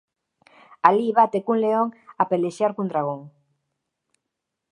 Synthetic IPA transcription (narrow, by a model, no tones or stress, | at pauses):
aliβat̪ekunleoŋapeleʃjaɾkund̪ɾaɣ̞oŋ